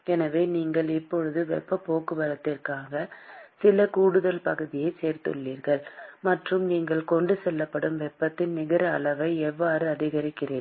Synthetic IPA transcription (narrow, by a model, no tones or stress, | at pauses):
ɛnɐʋeːniːŋɡɐɭɪpːɔɻɯðɯʋɛ̰pːɐpoːkɯʋɐɾɐt̪ːɪrkaːɣɐsɪlɐkuːɽɯðɐlpɐɣɯðɪjɐɪseːɾt̪ɯ̰ɭːiːɾɣɐɭmɐʈrɯmniːŋɡɐɭkɔɳɖɯsɛlːɐpːɐɽɯmʋɛpːɐt̪ːɪnnɪɣɪɾɐːlɐʋɐɪɛʋːaːɾɯɐðɪɣɐɾɪkːɪreː